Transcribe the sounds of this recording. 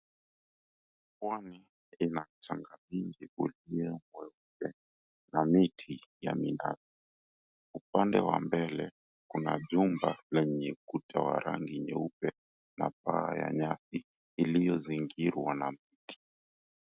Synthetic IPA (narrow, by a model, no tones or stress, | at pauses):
pwani | inat͡ʃaŋɡamiŋɡiʔuliɛmwɛup̚ɛ | namitʰijamina̰si | upandɛwa̰mbɛlɛ | kunaʄumbalɛɲɛkutʰawa̰ɾa̰ŋɡiɲɛup̚ɛ | napaːja̰ɲasiː | lijɔziŋɡiɾwanamiti̥